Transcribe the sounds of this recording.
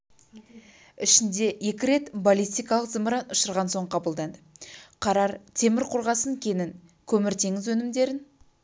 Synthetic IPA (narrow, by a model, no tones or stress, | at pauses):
ɪʃɪnd̪e̞je̞kʲɪɾe̞t̪bolʲijst̪ijkɑlˠəqzɨmɾɑnʊʃəɾʁɑnso̞ɴqʰɑbəlˠd̪ɑnd̪əqʰɑɾɑɾt̪ʰe̞mɪɾqʰʊɾʁɑsəŋkʲʰe̞nɪŋ | kʲʰɵmɪɾt̪ʰe̞ŋɪzwɵnɪmd̪e̞ɾɪn